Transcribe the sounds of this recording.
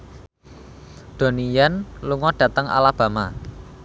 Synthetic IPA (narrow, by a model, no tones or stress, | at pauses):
d̪̥o̤nijanluŋɔɖ̥ä̤t̪əŋa̰lab̥ä̤ma